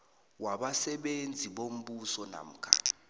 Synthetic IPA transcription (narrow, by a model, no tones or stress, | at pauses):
waɓasɛɓend͡zʱiɓom̩ɓusɔna̰m̩ːkʰa̰